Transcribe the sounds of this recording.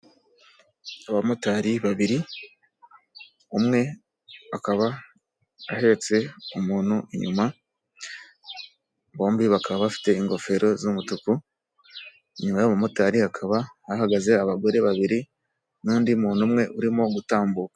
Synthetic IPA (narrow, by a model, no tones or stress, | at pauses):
aβamutaɾiβaβiɾi | umŋe̞ | βakaβa | ahe̞ɾe̞t͡se̞umuːn̥huiɲuma | βo̞ːmbiβakaβaβafi̥te̞iŋɡo̞fe̞ɾo̞zumutuku | iɲumajaβumutaɾihakʰaβahahaɡaze̞aβaɡo̞ɾe̞βaβiɾi | nuːndiumuːnumŋe̞ʔuɾimo̞ɡutaːmbukḁ